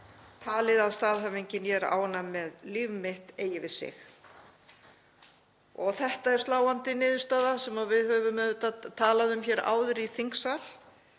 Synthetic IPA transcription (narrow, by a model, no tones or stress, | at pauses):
t̪ʰaːlɪðaðst̪aːðɦavejɲcɪnjɛɾa̰ːwanːamɛðliːvʏmɪht̪eːjɪvɪðsɪ̰x | ɔɣθɛht̪aɛɾ̥st̪laːwant̪ɪnɪːðʏɾst̪aːðasɛmavɪðhœvʏmɛt̪at̪ʰaːlaðʏmçɛːɾa̰ːwðʏɾiθiŋksal̥